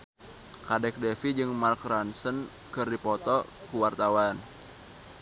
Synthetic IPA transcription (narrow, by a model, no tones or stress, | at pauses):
kadɛk̚dɛfid͡ʒɨŋmarkransən | kɨrdipɔt̪ɔ | kuwart̪awan